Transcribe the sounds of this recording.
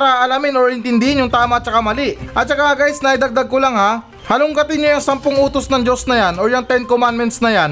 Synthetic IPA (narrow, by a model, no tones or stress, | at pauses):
ɾɐʔɐlamɪnoɹɪnt̪ɪnd̪ɪhɪnjʊŋt̪aːmɐt͡ʃɐkamɐliʔʔɐt̪̚t͡ʃɐkaɡajsnɐɐjd̪ɐɡ̚d̪aɡ̚kʊlaŋha | hɐlʊŋɡɐt̪ɪnːojɐŋsɐmpʊŋuːt̪osnɐŋd͡ʒo̞snɐjanojɐŋt̪ɛnkomanmɛnt̪snɐjan